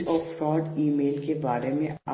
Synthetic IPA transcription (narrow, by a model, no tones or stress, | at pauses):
ɔːfɾɔːɖiːmeːlkebaːɾemẽa̰